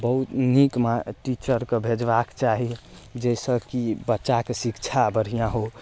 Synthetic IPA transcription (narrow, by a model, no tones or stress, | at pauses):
bəɦut̪nikmaʈit͡ʃəɾkebʱed͡ʒbakt͡ʃaɦid͡ʒɛsə̃kibətːʃakesikt͡ʃʰabəɾ̤ijãɦo